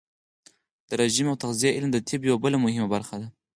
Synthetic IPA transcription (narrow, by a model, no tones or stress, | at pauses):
d̪̥əɾaʒimawt̪aqzijaʔɪlmd̪ət̪ʰɪbjawabəlamʊhɪmabaɾxad̪a